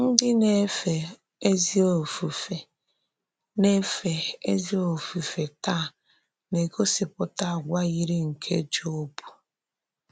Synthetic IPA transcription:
n̩˦dɪ˦ne˦fe˨ | e˦zi˦o˨fu˨fe˨ | ne˦fe˨e˦zi˦o˨fu˨fe˨ta˦˨ | ne˨kʰo˦sɪ˨pʊ˦ta˦˨ɡʷa˦ɣi˦ɾi˦ŋ̩˨kʰe˦d͡ʒo˦o˦bu̥˨

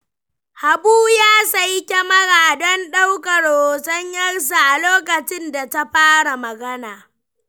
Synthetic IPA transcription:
ha˨buː˦jaː˦sa˦jkʲɐ˦mɐ˦ɽaː˨dɔ˦nɗa˦wkɐ˨ɽoː˨sɐ˦ɲjɐ˦rs̬a˨ʔa˨loː˦kɐ˨t͡ʃɪ˦nda˨ta˦ɸaː˦ɽa˨mɐ˨ɡɐ˦naː˨

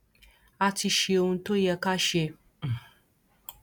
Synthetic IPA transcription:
a˧ti˧ʃe˧o˧hũ˧to˦jɛ˧ka˦ʃe˧

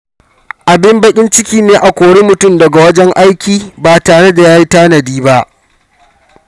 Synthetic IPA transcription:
ʔa˨bɪ˦mbɐ˦kʲʼɪ˦nt͡ʃɪ˦kʲiː˦neː˦ʔa˨kʷoː˨ɽeː˦mʊ˨tʊ˦˨mdɐ˨ɡa˨wɐ˦d͡ʒɛ˦ŋʔa˦jkʲiː˨baː˨taː˨ɽe˦da˨jaː˦ji˦taː˦nɐ˨diː˦ba˦ʔ

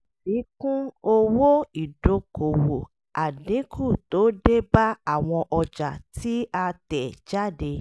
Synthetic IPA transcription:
si˨˦kũ˦o˦wo˦i˨do˧ko˨wo˨ | a˨dĩ˨˦kʰu˦˨to˨˦de˦ba˦a˦˨w̃ɔ̃˧ʔɔ˧d͡ʒa˨tʰi˨˦a˧tɛ˨d͡ʒa˦˨de˧

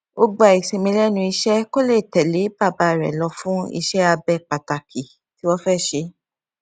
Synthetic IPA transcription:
o˦ɡ͡ba˨i˨se˧mĩ˧lɛ˦nũ˧i˧ʃɛ˦ko˦le˦˨tɛ˨le˨˦ba˦˨ba˧˦˨ɾɛ̰˨lɔ˧fũ˦ḭ˧ʃɛ˦a˧bɛ˦˨k͡pa˨ta˨ki˨ | ti˨˦wɔ˦fɛ˦˨ʃe˧˦

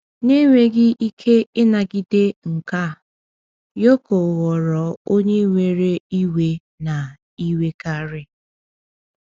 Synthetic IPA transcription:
ne˦ŋʷe˦ɡɪ˦ʔi˦kʰe˦ɪ˦na˨ɡɪ˦de˦ŋ̩˨ka˦˨ | jo˦ko˨ɣɔ˨ɾɔ˨o˦ɲe˦ŋʷe˨ɾe˦i˦we˦ | na˨ | i˦we˦ka˦ɾɪ˦

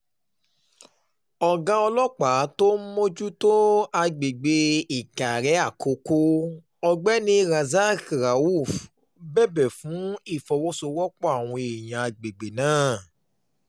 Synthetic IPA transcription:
ɔ˨ɡã˧˦ɔ˧lɔ˦k͡pa˨˦to˦mo˦d͡ʒu˦to˦a˧ɡ͡be˨ɡ͡be˧i˨ka˨ɾɛ˨˦a˦˨kʰo˨˧˦ko˦ | ɔ˧ɡ͡bɛ˦nĩ˧ɾa˨za˦kɾa˨˦u˦˨f | bɛ˦˨bɛ˨fũ˨˦i˦˨fɔ˨wɔ˦so˧wɔ˦k͡pɔ˦a˦˨w̃ɔ̃˧e˨j̃ã˨a˨ɡ͡be˨ɡ͡be˨nãː˦˨

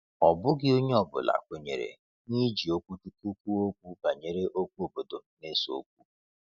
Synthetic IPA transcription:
ɔ˨bʊ˦ɡɪ˦o˦ɲe˦ɔ˨bʊ̰˨la̰˨kʷo˨ɲḛ˨ɾḛ˨ | ni˦d͡ʒi˨o˦kʷu˦tu˦ku˦kʷu˦o˦k̚ʷu˦ba˨ɲe˨ɾe˦ʔo˦kʷu˦o˨bo˨do˨ne˦so̰˨˦k̚ʷu˦

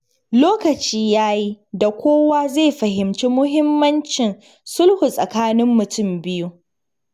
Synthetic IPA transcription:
loː˦kɐ˨t͡ʃiː˦jaː˦ji˦da˨kʷoː˦waː˦ze˦˨ɸɐ˨ɦɪ˨mt͡ʃiː˦mʊ˦ɦɪ˦mːɐ˦nt͡ʃɪ˨n | sʊ˦lhu˨sʼɐ˨kaː˦nɪ˦mːʊ˨tʊ˦mbɪ˦ju˦

